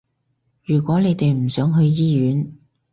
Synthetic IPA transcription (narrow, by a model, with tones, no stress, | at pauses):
jyː˨˩kʷɔː˨˥ne˨˧jt̪e˨jm̩˨˩sœː˨˥ŋɦɵ˧ɥjiː˥jyː˨˥n